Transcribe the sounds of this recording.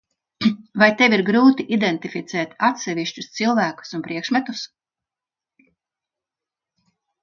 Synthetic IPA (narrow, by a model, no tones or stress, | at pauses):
vajt̪ɛviɾɡɾuːt̪iʔid̪ɛnt̪ifit̪sɛːt̪at̪sɛviʃt͡ʃu̥st̪silˠvæːku̥sunpɾiɛkʃmɛt̪us